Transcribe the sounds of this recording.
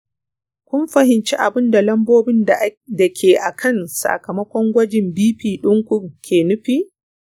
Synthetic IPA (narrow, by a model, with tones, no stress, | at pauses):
kʷʊ˦mɸɐ˨hɪ˨nt͡ʃi˦ʔa˨bɪ˦nda˨lɐ˦mboː˦bɪ˦ndɐ˨kʲʰeː˨ʔa˨kʰɐ˦˨nsa̰˨kɐ˨mɐ˦kʷɔ˦ŋɡʷɐ˦d͡ʒɪ˨mbiː˦ɸiː˨ɗʊ˦ŋkʷʊ˦ŋkʲʰeː˨nʊ˦ɸiː˦ʔ